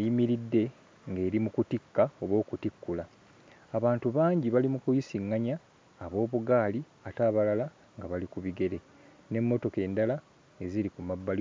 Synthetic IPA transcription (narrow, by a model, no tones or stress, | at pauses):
ajimiɾidːe̞ | ŋɡe̞ːɾimukutikːao̞βo̞ːkutikːulaː | βaːntuβaːɲɟiβalimukujisiŋːaɲaː | βo̞ːβuɡaːli | ataːβalala | ŋɡaβalikuβiɡe̞ɾe̞ | ne̞mːo̞to̞ke̞ːndala | e̞ziɾikumabːali